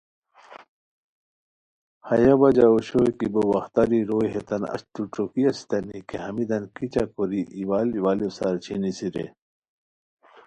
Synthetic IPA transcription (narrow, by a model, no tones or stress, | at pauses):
hɐjabɐd͡ʑaoɕojkibowɐxt̪aɾiɾoːjɦet̪ɐnɐ̰ɕt̪uʈ͡ʂokiɐsi̥t̪ɐnikʰehɐmid̪ɐnkit͡ɕakoɾiʔiwaliwaːlisaɾt͡ɕʰinisiɾḛ